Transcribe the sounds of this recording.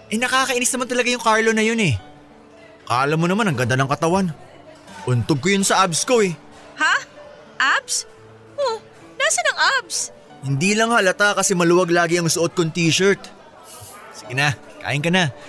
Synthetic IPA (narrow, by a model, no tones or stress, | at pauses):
ʔɛnɐkaːkɐʔɪnɪsnɐmant̪ɐlɐɡajʊŋkaɹlo̞nɐjonɛ | ka̰ːlɐmːonɐmanːɐŋɡɐnd̪anɐŋkɐt̪ɐwan | ʔʊnt̪oɡ̚kojonsɐʔabsko̞ɛ | ha | ʔaps | ʔo | naːsɐnɐŋʔaps | hɪnd̪iːlɐŋhɐlɐt̪akɐsɛmɐlʊwaɡlaːɡɪɐŋsʊʔot̪̚kont̪iːʃɛɹt̪ | sɪɡɪna | ka̰ːʔɪnkɐna